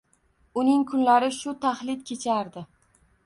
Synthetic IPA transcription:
ʊnɪŋkʰʊnlaɾɪʃʊt̪ʰaχlɪd̪kʲʰe̞t͡ʃʰaɾd̪ɪ

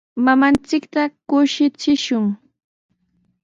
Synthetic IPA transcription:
mamant͡sɪkt̪akʊʃɪt͡sɪʃʊŋ

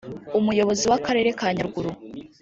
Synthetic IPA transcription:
umujo̞βo̞ziwakaɾe̞ːɾe̞kaɲaɾɡuɾu

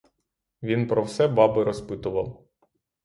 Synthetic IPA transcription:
ʋʲinpɾɔwsɛbɑbɪɾɔspɪt̪ʊʋɐw

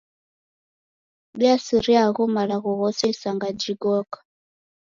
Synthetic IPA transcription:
ɓiasiɾiaɣumalaɣɔɣɔsɛsaŋɡad͡ʒiɡɔkḁ

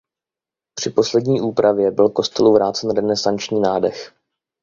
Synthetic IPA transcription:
pr̝̥ɪpo̞slɛdɲiːʔuːpɾavjɛbɪlko̞st̪ɛluvɾaːt͡sɛnɾɛnɛsant͡ʃɲiːnaːdəx

